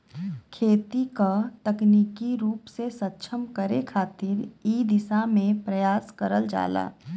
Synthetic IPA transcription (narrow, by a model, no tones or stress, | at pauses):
kʰeːt̪ikat̪ɐkniːkiɾuːpsesətːʃʰəmkəɾekʰaːt̪ɪɾiːd̪ɪsamẽpɾɐjaːskəɾəld͡ʒa̰ːla̰ː